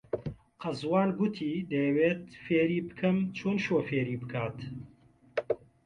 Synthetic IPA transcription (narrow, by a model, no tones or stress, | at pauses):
qɐzwaːnɡʊt̪ʰiːd̪ɐjɛweːt̪feːɾiːbɨ̥kʰɨmt͡ʃʰoːnʃoːfeːɾiːbɨkʰaːt̪